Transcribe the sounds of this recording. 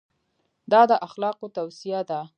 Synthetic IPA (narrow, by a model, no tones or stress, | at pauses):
d̪ɑd̪əʔaxlɑqot̪awsijad̪a